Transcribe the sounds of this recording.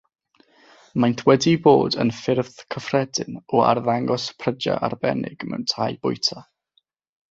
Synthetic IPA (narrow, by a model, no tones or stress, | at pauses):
majnθwɛdiboːdənfɪrvðkʰəfrɛdɪnɔa̰rðaŋɡɔspʰrəd͡ʒa̰ʔarbɛ̰nɪ̰ɡ̥mɛ̰wntʰaːjbʊjtʰa